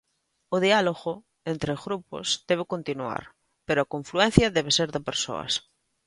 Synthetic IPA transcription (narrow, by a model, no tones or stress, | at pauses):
oðialoɣo | ent̪ɾeɣɾupo̰zd̪eβ̞ekont̪inua̰ɾ | peɾoakõɱfluen̟θjɐðeβ̞eseɾðepeɾso̰ɐ̰s